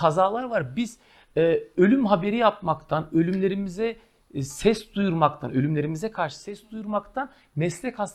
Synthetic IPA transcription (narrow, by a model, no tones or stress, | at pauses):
azaːlˠaɾvaɾbiz̥ː | ø̞lʲymɦabe̞ɾijap̚makt̪ʰanø̞lʲymlʲe̞ɾimizɛ | sɛsd̪ujuɾmakt̪ʰanø̞lʲymlʲe̞ɾimizɛkʰaɾʃɯ̥sɛsd̪ujuɾmakt̪ʰan | mɛslʲɛkhas